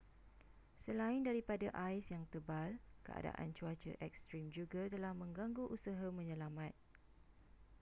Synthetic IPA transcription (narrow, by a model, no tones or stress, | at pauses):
səlaɪndaɾipadaʔajsjaŋt̪əbalkə̰a̰da̰ʔa̰nt͡ʃuat͡ʃə̰ʔɛkst̪ɾimd͡ʒuɡat̪əlahmə̃ŋɡaŋɡuʔusaɦamə̃ɲə̃lamãt̪̚